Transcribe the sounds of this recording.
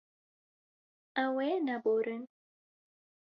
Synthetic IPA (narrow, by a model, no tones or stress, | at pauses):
awɛnaboɾən